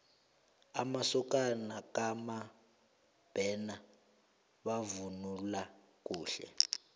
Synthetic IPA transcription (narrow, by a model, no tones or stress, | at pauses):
amasɔk̬ʼanakʼama | b̥ʱɛːna | ɓavunula | k̬ʼuːɬɛ̰